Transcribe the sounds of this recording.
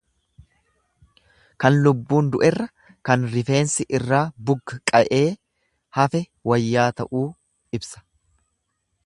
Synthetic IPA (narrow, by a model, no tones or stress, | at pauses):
kɐnlʊbːuːnd̪ʊʔɛrːɐ | kɐnɾɪfe̞ːnsɪʔɪrːaːbʊɡːɐkʼɐʔe̞ː | hɐfɛ | wɐjːaːt̪ɐʔuː | ɪbsɐ̥